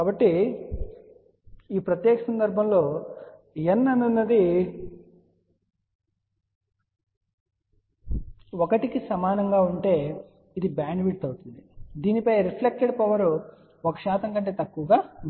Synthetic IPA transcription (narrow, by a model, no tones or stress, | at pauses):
kaːbɐʈːi | iːpɾɐt̪jɛːkɐsɐnd̪ɐɾbʱɐmlo̞ː | enːɐnːɐnːɐd̪i | ɔkɐʈikisɐmaːnɐŋɡaːuɳʈe̞ː | id̪ibaːnʋiʈ̚t̪ɐwuʈund̪id̪iːnipɐjɾipʰlek̚ʈeɖpɐʋɐɾu | ɔkɐʃaːt̪ɐŋkɐɳʈe̞ːt̪ɐkːuʋɐɡaː